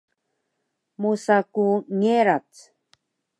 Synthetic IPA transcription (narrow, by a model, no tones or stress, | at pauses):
musakuŋeɾat͡s